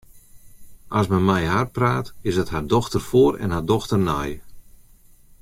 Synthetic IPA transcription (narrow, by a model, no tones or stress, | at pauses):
ʔasmənmɛjɦarpraːtɪsdəthardɔxtərfoːrɛ̰nhardɔxtərnɛj